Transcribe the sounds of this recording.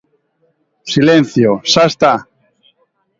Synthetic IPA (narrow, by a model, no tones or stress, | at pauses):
silen̟θjosast̪a